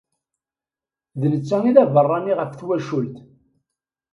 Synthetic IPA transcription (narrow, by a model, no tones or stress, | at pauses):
ðnət͡sːæŋiðævərˤːɑniʁəfθwæʃult̪